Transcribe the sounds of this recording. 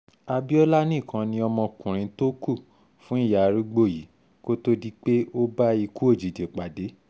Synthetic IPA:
a˧bi˦ɔ˦la˦nĩ˦˨kã˧nĩ˧˦ɔ˧mɔ̃˧kũ˨ɾ̃ĩ˧to˦ku˦˨ | fũ˦i˦˨ja˨ɾi˦ɡ͡bo˦˨ji˨˦ | ko˦to˦di˦k͡pe˦o˦ba˦i˧ku˦o˦˨d͡ʒi˨de˨k͡pa˨de˨˦

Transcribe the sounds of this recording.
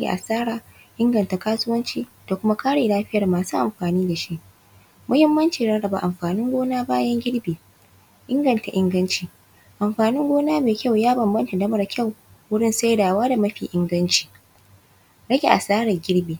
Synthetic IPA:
ɡʲḛ˨ʔa̰˨saː˦ɽaː˨ | ʔɪ˦ŋɡɐ˨nta˨kaː˦sʊ˦wɐ˦nt͡ʃiː˦d̥a˨kʷʊ˦ma˦kaː˦ɽeː˨laː˦ɸɪ˦jɐ˨rmaː˨suː˦ʔa˨mɸaː˨niː˦da˨ʃi˦ʔ | mʊ˦hɪ˦mːɐ˦nt͡ʃi˨ɽɐ˦ɽɐ˨ba̰˨ʔa˨mɸaː˨nɪ˦ŋɡʷoː˦naː˦baː˦jɐ˦ŋɡʲɪ˦ɽbeː˨ | ʔɪ˦ŋɡɐ˨nta˨ʔɪ˦ŋɡɐ˦nt͡ʃiː˨ | ʔa˨mɸaː˨nɪ˦ŋɡʷoː˦naː˦meː˨kʲa˦wjaː˦bɐ˨mbɐ˦nta˨dɐ˦mɐ˦˨rkʲʰa˦˨w | wʊ˦ɽɪ˦nsa˦jdaː˨waː˦da˨mɐ˦ɸiː˨ʔɪ˦ŋɡɐ˦nt͡ʃi̥ː˨ | ɽɐ˦ɡʲe˨ʔa˨saː˦ɽɐ˨ɡʲɪ˦ɽbeː˨

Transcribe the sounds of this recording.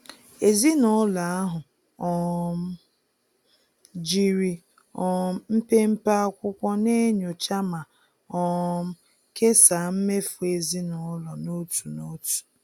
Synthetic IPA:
e˨zi˦nɔ˦la˨a˦ɦʊ˨ | ɔ˦m̩˦ | d͡ʒi˦ɾi˦ | ɔ˦m̩˦m̩˦pe˦m̩˦pa˦kʷʊ˦kʷɔ˦ne˦ɲo˨t͡ʃa˦ma˨ | ɔ˦m̩˦ | ke˦sa˨m̩˦me˦fʊ˨e˨zi˦nɔ˨˦lɔ˨no˦tu˨no˦tu̥˨

